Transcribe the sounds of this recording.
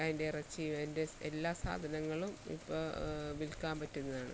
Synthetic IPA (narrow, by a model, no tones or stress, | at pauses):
aːjinderɐt͡ɕːiʋendeelːaːsa̰ːd̪ʱɐnɐŋːɐɭumḭpːoːʋilkaːmpɐtːunːɐðaːɳɨ̰